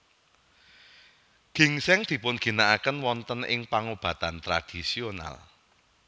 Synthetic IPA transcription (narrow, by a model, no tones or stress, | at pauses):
ɡ̥i̤ŋsɛŋd̪̥i̤pʊnɡ̥i̤naʔakənwɔnt̪ənɪ̰ŋpaŋob̥ä̤t̪ant̪ɾad̪̥isiona̰l